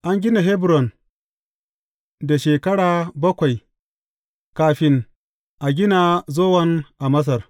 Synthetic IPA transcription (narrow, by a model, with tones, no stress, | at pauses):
ʔa˦ŋɡʲɪ˦na˨ɦɛ˦bɾɔ˨n | da˨ʃeː˨kɐ˦ɽaː˨bɐ˦kʷa˨j | kaː˨ɸɪ˦ŋ | ʔa˨ɡʲɪ˦naː˨zoː˦wɐ˦nʔa˨mɐ˦s̬ɐ˨r